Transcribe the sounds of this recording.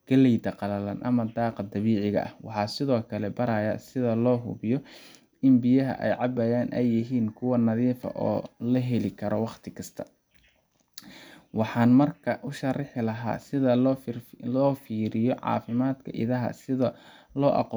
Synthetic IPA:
ɡ̥ɐlɛjd̪ɐqɑlɐlɐ̰nʔɐmɐd̪ɑːqɑd̪ɐβiːʕɪɣɐ̰ʔɐhwɑħɑːsɪðɔːkʰɐlɛbɐɾɐjɐsɪðɐlɔːɦʊ̰βɪjɔ | ɪmbɪjɐɦɐ̰ʔɛ̰jʕɑbɐjaːnʔɛjːɪɦiːnkʰʊwɐnɐðiːfɐ̰ʔɔːlɐɦɛlɪkʰɐɾɔwɑqt̪ʰɪkʰɐst̪ʰɐ̥ | wɑħɑːnmɐrkʰɐʔʊʃɐrɪħɪlɐɦa̰ːsɪðɐ | lɔːfiːɾɪjɔʕɑ̰ːfɪmaːd̪kʰɐ̰ʔɪ̰ðɐɦɐ̰sɪðɐ | lɔːʔɑ̰qɔː

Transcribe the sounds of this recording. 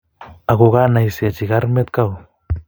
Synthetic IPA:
aɣoɣanajsiat͡ʃiɣaɾmet̪kaw

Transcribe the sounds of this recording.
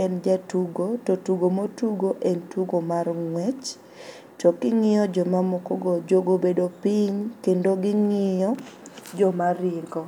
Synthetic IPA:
ɛnd͡ʒatuɡototuɡomotuɡoʔentuɡomarŋwɛt͡ʃ | tɔkɪŋɪjɔd͡ʒɔmamokɔɡɔd͡ʒoɡobedopiɲkendoɡɪŋɪjɔd͡ʒɔmaɾɪɡɔ

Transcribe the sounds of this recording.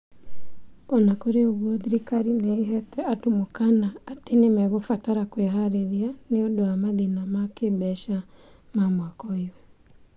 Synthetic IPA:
ɔnakoɾeoɣwɔðiɾikaɾinaiɦɛtɛatumokanaːtenemɛɣofataɾakweɦaɾeɾianeodoamaðinamakebɛʃa | mamwakɔiwɛ

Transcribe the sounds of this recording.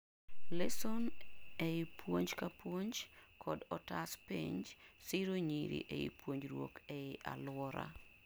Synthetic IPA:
lɛsoneipwoɲd͡ʒkapwoɲd͡ʒkʰɔdɔtaspḭɲd͡ʒsɪɾoɲiɾḭʔeḭpwoɲd͡ʒɾwo̰kɛɪʔa̰lwɔɾa̰

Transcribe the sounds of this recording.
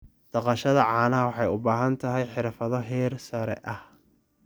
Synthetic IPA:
d̪̥ɐqɑʃɐðɐʕɑːnɐɦɐwɑħɑjʊbaːɦɐnt̪ʰɐɦɛjħɪɾfɐðɔɦɛːrsɐɾɛ̰ʔɐh

